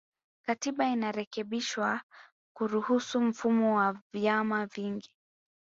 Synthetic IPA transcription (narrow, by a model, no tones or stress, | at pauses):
katiɓainaɾɛkɛɓiʃwa | kuɾuhusum̩fumɔwavjamaviŋɡi